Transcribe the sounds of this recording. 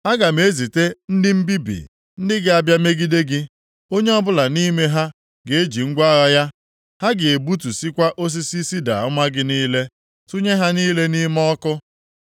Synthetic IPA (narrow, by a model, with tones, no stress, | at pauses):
a˦ɡa˨me˦zi˨te˦n̩˦dɪ˦m̩˦bi˦bḭ˨ | n̩˦dɪ˦ɡɪ˦a˨bja˦me˦ɡi˦de˦ɡɪ˦ | o˦ɲe˦ɔ˦bʊ˦la˨ni˦me˦ɦa˦ | ɡe˨e˦d͡ʒi˨ŋ̩˦ɡʷa˦ɣa˦ja˦ | ha˦ɡɪ˨e˨bu˦tu˨si˦kʷa˦ʔo˦s̬i˦si˦si˦da̰˨ʊ˦ma˦ɡɪ˦niː˦le˦ | tu˦ɲe˦ɦa˦niː˦le˦ni˦mɔ˦kʊ˦